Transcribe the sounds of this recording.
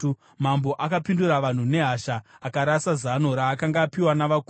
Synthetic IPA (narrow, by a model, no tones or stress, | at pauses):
mambo̞ʔakapinduraʋan̤une̞ɦaʃaːkaɾasazano̞ɾaːkaŋɡaːpiwanaʋaku